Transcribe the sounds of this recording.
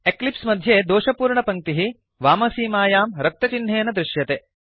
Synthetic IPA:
eklipsmɐd̪ʱjeːd̪oːʃɐpuːɾɳɐpɐŋt̪iɦi | ʋaːmɐsiːmaːjaːmɾɐk̚t̪ɐt͡ʃinɦeːnɐd̪ɾɪʃjɐt̪eː

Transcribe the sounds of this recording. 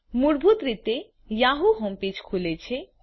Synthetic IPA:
muɾbʱut̪ɾit̪e | jaɦuɦɔmpit͡ɕkʰulet͡ɕʰe

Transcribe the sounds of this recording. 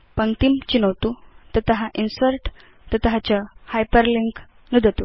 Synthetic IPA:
pəŋt̪imt͡ɕinəwt̪ut̪ət̪əɦaʔinsəɾʈ | t̪ət̪əɦat͡ɕahajpəɾliŋk | nud̪ʱət̪u

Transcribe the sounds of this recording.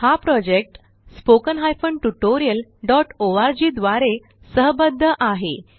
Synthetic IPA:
hapɾɔd͡ʑek̚ʈ | spokənɦajfəɳʈuʈoɾiəlɖɔʈoʋaɾd͡ʑid̪ʋaɾe | səɦbəd̪ʱːəʔaɦe

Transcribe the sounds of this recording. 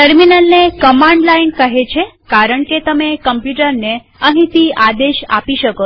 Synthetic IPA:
ʈəɾminəlnekəmãɳɖlainkəɦet͡ʃʰe | kaɾəɳket̪əmekəmpjuʈəɾne | əɦĩt̪iad̪eʃa̰piʃəko

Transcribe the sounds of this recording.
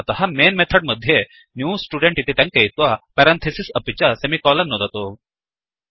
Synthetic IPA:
t̪ɐhamenmet̪ʰəɖməd̪ʱje | njuːsʈuɖeɳʈit̪et̪ãŋkejt̪ʋapɛɾant̪ʰesisəpit͡ɕasemikɔlɐnːod̪at̪o

